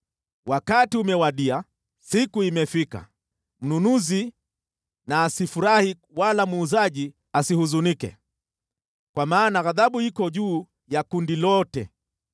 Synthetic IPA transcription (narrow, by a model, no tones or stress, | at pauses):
wʔakatiumɛwaɗia | sikuimɛfika̰ | m̩nunuzi | naːsifuɾahi | walamuːzaʄi | asihuzunikɛ̰ | kwamaːnaɣaðaɓuhikɔʄuː | jakundilɔtɛ̰